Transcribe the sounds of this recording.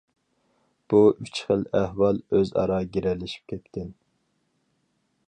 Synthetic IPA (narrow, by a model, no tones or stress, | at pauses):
b̥uʔyt͡ʃχəlˠæhwɑlˠøzɑ̰ɾɑɡʲeɾɛlːɪʃi̥p̚kʲʰɛt̪k̪ʲɪn